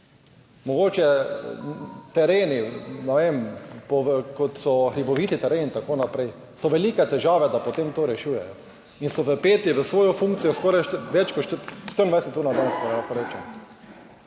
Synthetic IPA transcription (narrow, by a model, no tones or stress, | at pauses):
mɔɡoːt͡ʃɛ | t̪ɛɾeːninɛʋempɔʋkɔt̪sɔxɾibɔʋiːt̪it̪ɛɾeːnint̪akoːnapɾɛɪ | sɔʋɛliːkɛt̪ɛʒaːʋɛd̪apot̪eːmt̪oːɾɛʃuːjɛjɔ | insɔʋəpeːt̪iʋəsʋoːjɔfũŋk̚tsijɔskɔːɾajʃʋɛt͡ʃkɔʃʃt̪əɾind̪vajsɛt̪uːɾnad̪anskɔɾlakɔɾeːt͡ʃɛm